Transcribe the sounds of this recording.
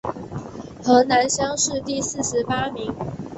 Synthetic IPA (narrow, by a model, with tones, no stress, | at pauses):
xɤ˧˥na˧˦nɕjɑ˥˦ŋʂɻ̩˥˨t̪i˥˨sɹ̩˥˨ʂɻ̩˨˦pa˥mi˨˦ŋ